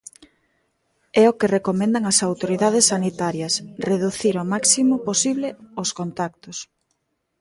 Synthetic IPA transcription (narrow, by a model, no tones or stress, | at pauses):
ɛokerekomẽnd̪ɐŋɐsawt̪oɾiðaðesːanit̪aɾjɐsreðuθiɾomaksimoposiβleoskont̪ak̚t̪os